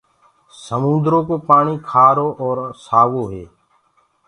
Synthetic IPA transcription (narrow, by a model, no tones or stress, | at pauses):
səmʊ̃nd̪ɾõkopaːɽ̃ikʰaːɾoʔɔːɾsaːʋoɦeː